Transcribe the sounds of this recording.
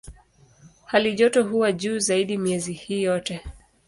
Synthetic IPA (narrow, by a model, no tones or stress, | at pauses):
haliʄɔtɔɦuwaʄuːzaiɗimiɛzihiːjɔtɛ